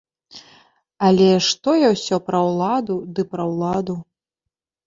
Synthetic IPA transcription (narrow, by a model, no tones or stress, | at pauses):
ɐlʲɛʂt̪ɔjawsʲɔpɾɐwlˠad̪ud̪ɨpɾɐwlˠad̪u